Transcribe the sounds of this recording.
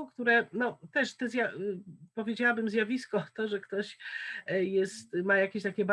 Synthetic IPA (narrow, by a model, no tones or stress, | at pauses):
kt̪uɾɛnɔt̪ɛʂt̪ɛzjapɔvʲjed͡ʑawabɘmzʲjavʲiskɔt̪ɔʐɛkt̪ɔɕ | jɛst̪majakʲeɕt̪akʲɛb